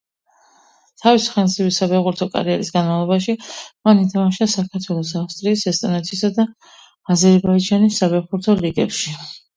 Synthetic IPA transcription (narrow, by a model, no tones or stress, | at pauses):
t̪ʰavisi̥χɛnzibisabɛʁuɾt̪ʰɔkʼa̰ɾiɛɾisɡanmavlˠɔbaʃimanit̪ʰamaʃasakʰaɾt̪ʰwɛlˠɔsafst̪ʼɾiːsɛst̪ʼɔnɛt̪ʰisad̪a | azɛɾbaid͡ʒanisːabɛʁuɾt̪ʰɔɾiɡɛpʃi